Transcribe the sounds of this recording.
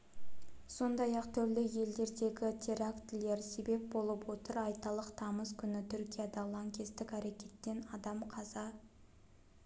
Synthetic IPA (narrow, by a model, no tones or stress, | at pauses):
so̞nd̪ɑjɑqt̪ʰʏɾlɪje̞ld̪e̞ɾd̪e̞ɡʲɪt̪ʲʰe̞ɾakt̪ɪle̞ɾse̞be̞p̚bo̞lˠəpwo̞t̪əɾɑjt̪ɑlˠəqt̪ʰɑməzkʲʰʏnɪt̪ʰʏɾkʲijad̪ɑlˠɑŋkʲe̞st̪ɪkʲæɾe̞kʲe̞t̪ːe̞nɑd̪ɑmqʰɑzɑ